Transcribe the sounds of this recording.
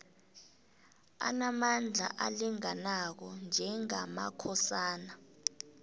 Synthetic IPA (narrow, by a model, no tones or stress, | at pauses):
a̰namand͡ɮʱa̰ʔaliŋanak̬ɔnd͡ʒʱɛŋama̰kʰɔsaːna